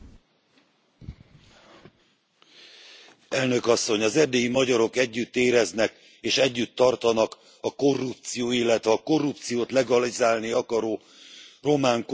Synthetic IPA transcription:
ɛlnø̞kɒsːo̞ɲɒzɛrd̪eːjimɒɟɒɾo̞kɛɟːyt̪ːeːɾɛznɛk | eːʃɛɟːyt̪ːɒrt̪ɒnɒk | ɒko̞rːup̚t̪sijoːilːɛt̪ʋɛɒko̞rːup̚t̪sijoːt̪lɛɡɒlizaːlniɒkɒɾoː | ro̞maːŋk

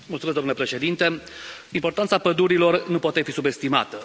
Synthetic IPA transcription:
mult̪suezd̪omnulepɾe̞ʃe̞d̪int̪e̞ | impo̞rt̪ant̪sapəd̪uɾilo̞rnupoat̪e̞fisube̞st̪ima̰t̪ə

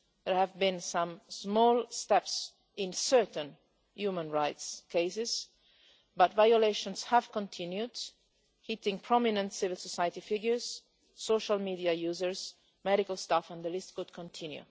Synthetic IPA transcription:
ðəɹhævbĩnsãmsmɔːlˠst̪ɛps | ɪ̃nsɜ˞t̪ə̃n | jumə̃nɹaɪtskeɪsɪz | batvajɔleɪʃɔ̃nshæv̥kɔ̃nt̪ʰɪ̃njud | hit̪ɪ̃ŋpʰɹɔminə̃ntsɪvɪlsɔsajət̪ifɪɡjə˞z̥ː | oʃalmidiajuːzəɹz | mɛɾikalˠst̪afə̃nd̪əlɪst̚kʊd̪kʰɔ̃nt̪ʰɪ̃njṵ

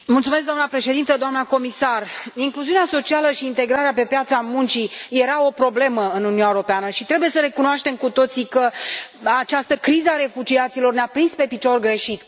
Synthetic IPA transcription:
mult̪sumeskd̪oamnəpɾe̞ʃe̞d̪int̪əd̪oamnəko̞misariŋkluziuneaso̞t͡ʃialəʃiːnt̪e̞ɡɾaɾeape̞pjat̪samunt͡ʃije̞ɾao̞pɾo̞ble̞məɨnuniunaeoɾo̞peanəʃit̪ɾe̞buje̞səɾe̞kunoaʃt̪e̞mkut̪o̞t̪sikəat͡ʃast̪əkɾizəaɾe̞fud͡ʒiat̪silo̞rneapɾinspe̞pit͡ʃo̞rɡɾe̞ʃit̪

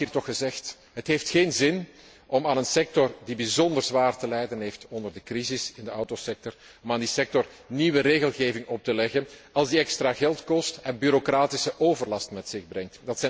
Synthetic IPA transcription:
iːrtɔxəzɛxt | ɦətɦeːftxeːnzɪn | ʔɔmaːnənsɛk̚tɔrdibizɔndərzʋaːrtəlɛjdənɦeːftɔndərdəkrizɪsɪndəɑwtosɛk̚tɔr | ɔmaːndisɛk̚tɔr | niʋəreːɣəlˠɣeːvɪŋɔp̚təlɛɣənɑlˠzdiɛkstraːɣɛlˠtkɔstɛnbyːɾokraːtɪsəʔoːvərlɑstmɛtsɪɣbrɾɛŋtd̥ɑtsɛ

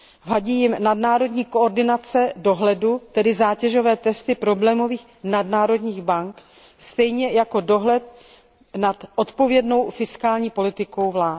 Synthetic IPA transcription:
vaɟiːjɪmnadnaːɾo̞dɲiːkooɾdɪnat͡sɛdo̞ɦlɛdut̪ɛdɪzaːcɛʒo̞vɛːt̪ɛst̪ɪpɾo̞blɛːmo̞viːx | nadnaːɾo̞dɲiːɣbaŋk | st̪ɛjɲɛjako̞do̞ɦlɛt̪̚ | nat̪ʔo̞t̪po̞vjɛdno̞wfɪskaːlɲiːpo̞lɪt̪ɪko̞wvlaː

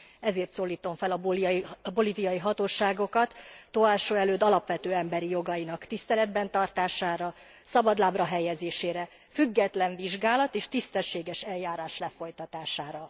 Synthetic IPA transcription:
ɛzeːrt̪soːlːiːt̪o̞ɱfɛlɒbbo̞livijɒjiɦɒt̪oːʃaːɡo̞kɒt̪ːoaːʃoːɛløːd̪ɒlɒpʋɛt̪øːɛmbɛɾijo̞ɡɒjinɒkt̪ist̪ɛlɛd̪̚bɛnt̪ɒrt̪aːʃaːɾɒ | sɒbɒd̪laːbrɒɦɛjɛzeːʃeːɾɛ | fyɡːɛt̪lɛɱviʒɡaːlɒt̪eːʃt̪ist̪ɛʃːeːɡɛʃɛljːaːɾaːʃlɛfo̞jt̪ɒt̪aːʃaːɾɒ

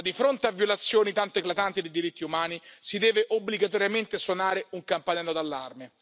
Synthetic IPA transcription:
d̪ifɾont̪eavːjolat̪sːjoːnit̪ant̪oeklat̪ant̪id̪ejd̪iɾit̪ːiumaːnisid̪ɛːveʔobːliɡat̪̬ɔɾjament̪esonaːɾeuŋkampanɛlːod̪alːarme

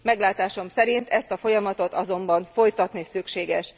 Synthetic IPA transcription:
mɛɡlaːt̪aːʃo̞msɛɾint̪ɛst̪ɒfo̞jɒmɒt̪o̞t̪ɒzo̞mbɒnfo̞jt̪ɒt̪nisykʃeːɡɛʃ

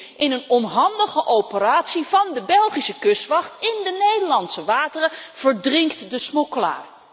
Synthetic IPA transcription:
ɪnənɔnɦɑndəχəʔowpəraːtsivɑndəbɛlˠχisəkɵsʋɑχtɪndənejdəɹlɑntsəʋaːtərəv̥əɹdrɪŋktdəsmokəla̰ː

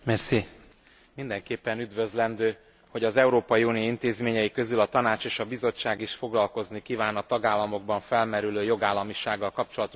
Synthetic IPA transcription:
mɛrsi | mind̪ɛŋkeːpːɛnyd̪vø̞zlɛnd̪øː | ho̞ɟɒzɛuɾoːpɒjiunioint̪eːzmeːɲɛjikø̞zylɒt̪ɒnaːt͡ʃeːʃɒbizo̞t͡ʃːaːɡiʃfo̞ɡlɒlko̞znikiːvaːnɒt̪ɒɡaːlːɒmo̞ɡbɒɱfɛlmɛɾyløːjo̞ɡaːlːɒmiʃaːɡːɒlkɒpt͡ʃo̞lɒt̪o

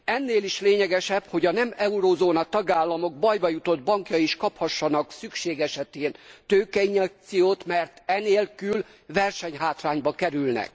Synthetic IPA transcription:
ɛnːeːliʃleːɲɛɡɛʃɛbho̞ɟɒnɛmɛuɾoːzoːnɒt̪ɒɡaːlːɒmo̞ɡ̚bɒjbɒjut̪o̞d̪̚bɒŋkjɒiʃkɒphɒʃːɒnɒksykʃeːɡɛʃɛt̪eːnt̪øːkɛiɲɛk̚t̪sijoːt̪mɛrt̪ɛneːlkyl | ʋɛrʃɛɲɦaːt̪raːɲbɒkɛɾylnɛ̰k̚

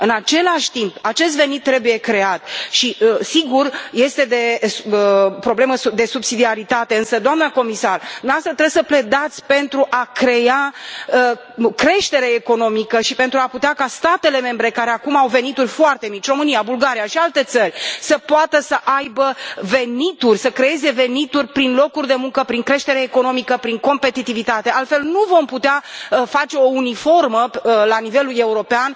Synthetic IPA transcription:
ɨnat͡ʃe̞laʃʲt̪impat͡ʃe̞s̬t̪ve̞nit̪ːɾe̞buje̞kɾe̞at̪ʃisiɡurje̞st̪e̞d̪e̞əpɾo̞ble̞məud̪e̞subsid̪iaɾit̪at̪e̞ɨnsəd̪oamnəko̞misard̪umeast̪ɾat̪ɾe̞bsəple̞d̪at̪sʲpe̞nt̪ɾuʔakɾe̞a | kɾe̞ʃt̪e̞ɾe̞ːko̞no̞mikəʃipent̪ɾuaput̪eakast̪at̪e̞le̞me̞mbɾe̞kaɾe̞akumawve̞nit̪urʲfoart̪e̞mit͡ʃʲro̞mɨnijabulɡaɾijaʃialt̪e̞t̪sərʲsəpoat̪əsəʔajbəve̞nit̪urʲsəkɾe̞je̞ze̞ve̞nit̪urʲpɾinlo̞kurʲd̪e̞muŋkəpɾiŋkɾe̞ʃt̪e̞ɾeːko̞no̞mikəpɾiŋko̞mpe̞t̪it̪ivit̪at̪e̞alt̪fe̞lnuvo̞mput̪eaəfat͡ʃe̞o̞unifo̞rməlanive̞lule̞uɾo̞pean

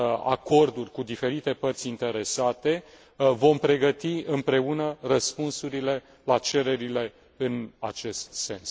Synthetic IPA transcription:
a̰ko̞rd̪urʲkud̪ife̞ɾit̪e̞pərt̪sʲint̪e̞ɾe̞sat̪e̞ | vo̞mpɾe̞ɡət̪iɨmpɾe̞unərəspunsuɾile̞ | lat͡ʃe̞ɾe̞ɾile̞ | ɨnat͡ʃe̞st̪se̞ns

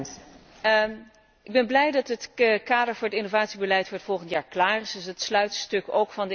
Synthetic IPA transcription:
ɪɡ̚bɛnblɛjdɑtɦətkaːdəɹvʊːɹətɪnovaːtsibəlɛjtfʊɹətfɔlˠχəntjaːɹklaːrɪsdɵsɦətslœɥtstɵkowkfɑndə

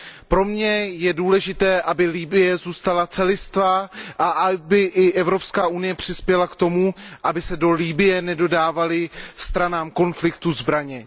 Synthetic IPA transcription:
pɾo̞mɲɛjɛduːlɛʒɪt̪ɛːʔabɪliːbɪjɛzuːst̪alat͡sɛlɪst̪vaʔaʔabɪʔɪʔɛvɾo̞pskaːunɪjɛpr̝̥ɪspjɛlakt̪o̞muʔabɪsɛdo̞liːbɪjɛnɛdo̞daːvalɪst̪ɾanaːmko̞nflɪkt̪uzbɾaɲɛ

